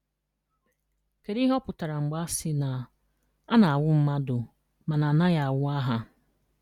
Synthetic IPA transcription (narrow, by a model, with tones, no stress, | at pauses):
ke˨ɾi˦ɦɔ˦pʊ˨ta˨ɾa˨ŋ͡m̩˨ɡ͡ba˦sɪ˦na˨ | a˦na˨a˨wʊ˦m̩˦ma˦dʊ˨ | ma˨na˨na˦ja˨a˨wʊ˦a˦ɦa˦